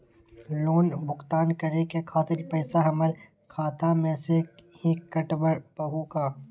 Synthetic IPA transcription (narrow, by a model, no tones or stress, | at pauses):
loːnbʱʊxt̪aːnkɐɾekekʰaːt̪ɪlpɛːsaɦɐməɾ | kʰaːt̪amẽːseɦikɐʈbəɾpɐɦoːkaː